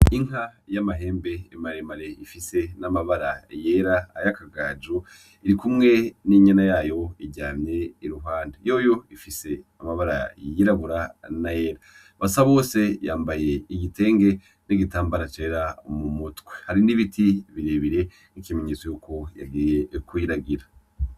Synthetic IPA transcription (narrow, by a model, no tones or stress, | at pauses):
iŋ̥hajamaɦe̞ːmbe̞imaɾemaɾe̞ifise̞namaβaɾaje̞ɾaajakaɡaːd͡ʒu | iɾikumŋe̞niɲanajaːjo̞iɟaːmɲe̞iɾuɦaːndejo̞ːjo̞ifise̞amaβaɾa̰jiɾaβuɾanaje̞ːɾa | βasaβo̞ːse̞jaːmbaje̞iɡite̞ːŋɡe̞ | niɡitaːmbaɾat͡ʃe̞ːɾamumutwehaɾiniβitʰiβiɾeβiɾe̞ | nikimeɲet͡so̞juːko̞ja̰ɡiːje̞kuiɾaɡiɾa